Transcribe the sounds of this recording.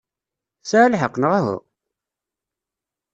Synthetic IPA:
salħəqːnəʁaɦʊ̰

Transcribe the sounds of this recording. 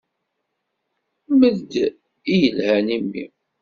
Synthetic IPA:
məðd̪ | ijəlhænimːḭ

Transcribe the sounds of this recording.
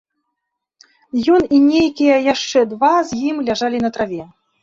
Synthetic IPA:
jɔninʲejkʲijɐjaʂt͡ʂɛd̪vazʲjimlʲaʐalʲinɐt̪ɾavʲɛ

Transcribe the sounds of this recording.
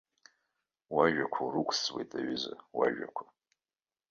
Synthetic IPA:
waʒᶣakʷʰarukʷʰʼswejtʼaɥɪza̰waʒᶣa̰kʷʰa

